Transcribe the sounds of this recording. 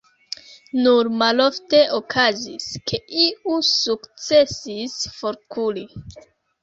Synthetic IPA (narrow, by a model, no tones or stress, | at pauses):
nuɾmalo̞fte̞ʔokʰaziskʰe̞ʔiusukt͡se̞sisfo̞ɾkʰuli